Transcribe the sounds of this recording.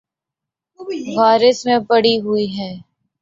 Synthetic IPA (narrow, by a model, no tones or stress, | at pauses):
ɣaːɾɪsmẽpɐɽiɦuiɦɛː